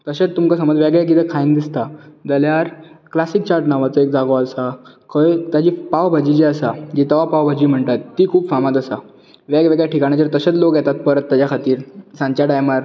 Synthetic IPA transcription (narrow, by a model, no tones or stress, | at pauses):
t̪əɕet͡st̪umkasəməd͡zʋɛɡɭjak̬id̪əkʰaind̪ist̪ad͡zəljaɾklasiːk̚t͡ɕaɾʈnaʋat͡səek̚d͡zaɡoasa | kʰət̪jad͡ʑiːpaʋbʱad͡ʑid͡ʑiəsad͡ʑit̪əʋapaʋbʱad͡ʑiːm̤əɳt̪at̪ːiːkʰuːbfamat̪əsa | ʋɛɡʋeɡɭjaʈʰikaɽ̃jad͡ʑəɾt̪əɕet͡slokjɛt̪at̪̚pəɾət̪ːjat͡ɕjakʰat̪iːɾsãɲt͡ɕaɖajmaɾ